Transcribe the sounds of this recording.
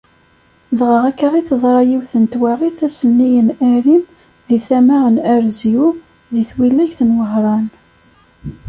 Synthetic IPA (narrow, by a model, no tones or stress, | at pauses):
ðʁəʁækːaʁiθəðˤɾˤɑjiwθənt̪wæʁiθæsənːijənæɾim | ðiθæmæʁənæɾzju | ðiθwilːæçθənwəɦɾˤɑn